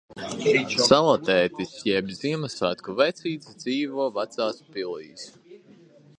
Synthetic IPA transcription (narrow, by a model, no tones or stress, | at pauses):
salˠɔt̪ɛːt̪isjɛbziɛmasat̪kuvɛjt̪sʲiːt̪zd̪ziːvuɔvat̪saːspilḭːs